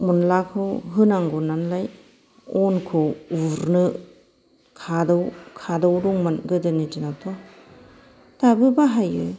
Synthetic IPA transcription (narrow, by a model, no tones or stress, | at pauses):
munlakʰɯwɦɯnaŋɡɔnanlaj | ɔnkʰɔwuɾnɯ | kʰadɔwkʰadawɾɔŋmanɡɯdɯnitinatʰɔ | tabɯbaɦajɯ̰